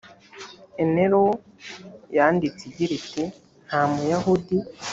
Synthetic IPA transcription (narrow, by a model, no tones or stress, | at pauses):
eneɾo | jaːndit͡siɟiɾite | n̥haːmujahudi